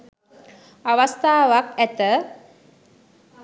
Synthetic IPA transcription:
aʋast̪aːʋakæt̪ə

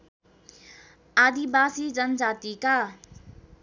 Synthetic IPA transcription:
ad̪ibasid͡zʌnʌd͡zat̪ika

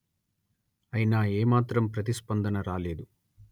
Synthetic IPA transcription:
ɐjinaːeːmaːt̪ɾɐmpɾɐt̪̬ispɐnd̪ɐnɐɾaːle̞ːd̪u

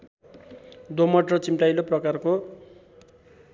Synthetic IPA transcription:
d̪omʌʈrʌt͡simʈajloprʌkarko

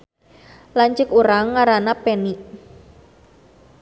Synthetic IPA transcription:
laɲt͡ʃɪkuɾaŋːaɾanapeniʔ

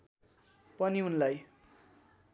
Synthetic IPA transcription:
pʌniunlaj

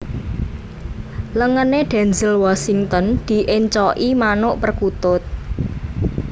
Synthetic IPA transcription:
ləŋəneɖ̪̥ɛ̤nzɪlwasiŋt̪ɔnd̪̥i̤ʔɪɲt͡ʃɔʔimanʊʔpərkut̪ʊt̪̚

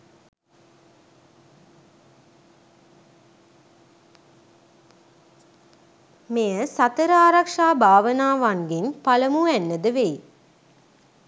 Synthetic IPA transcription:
mejəsat̪əɾəaːɾakʂaːbʱaːʋənaːʋaŋɡinpaləmuænːəd̪əʋej

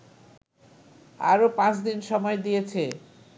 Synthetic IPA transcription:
a̰ɾopãt͡ɕd̪inʃɔmɔed̪ijet͡ɕʰe

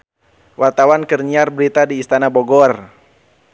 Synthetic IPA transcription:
wʔart̪awankərɲiarbəɾit̪adiːst̪anabɔɡɔr

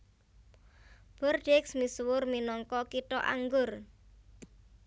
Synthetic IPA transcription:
b̥ɔrɖ̥ɛksmiswʊrminɔŋkɔkiʈɔʔa̰ŋɡʊr

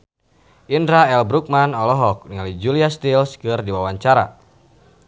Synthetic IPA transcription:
ʔindɾaɛlbɾuk̚manɔlɔɦɔk̚niŋalid͡ʒuliast̪ilskɨrdiwawaɲt͡ʃaɾa̰

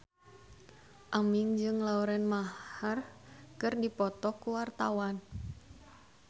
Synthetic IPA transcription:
ʔamiŋd͡ʒɨŋlauɾɛnmaharkɨrdipɔt̪ɔkuwart̪awan

